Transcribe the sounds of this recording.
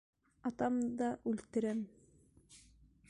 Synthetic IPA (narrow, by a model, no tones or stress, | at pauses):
ɑt̪ɑmd̪ɑʔʉlt̪ɘ̆ɾæm